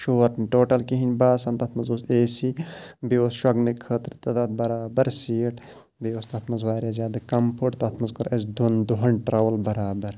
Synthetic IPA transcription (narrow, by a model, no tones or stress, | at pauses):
ʃoːɾʈnʈoːʈɐlkiɦinʲbaːsɐnt̪ɐt̪ʰmɐnzoːseːsibeoːsʃwɐɡnɨkʰət̪ɾit̪ɐt̪ɐt̪̚bɐɾaːbɐɾsiːʈ | beoːst̪ɐt̪ʰmɐnzwaːɾʲjazʲjaːd̪ɨkɐmpʰoʈt̪ɐt̪ʰmɐnzkɨɾɐsd̪und̪uɦɐnʈɾɐʋɐlbɐɾaːbɐɾ